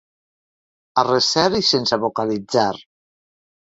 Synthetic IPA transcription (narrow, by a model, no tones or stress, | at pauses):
aresɛɾisensaβokalid͡zaɾ